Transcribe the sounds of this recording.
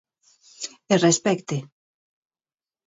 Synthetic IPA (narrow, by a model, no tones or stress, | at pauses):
erespɛkt̪e